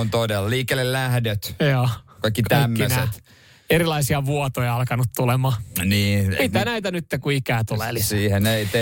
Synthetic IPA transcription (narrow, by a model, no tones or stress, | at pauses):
ont̪odelliːkːelːellæhdet̪joːkɑikːikt̪æmːønset̪ | eɾilɑisiɑʋuot̪ojɑɑlkɑnut̪t̪ulemɑːniːmit̪ænæit̪ænyt̪ːekuikæːt̪ulelissiːheneit̪e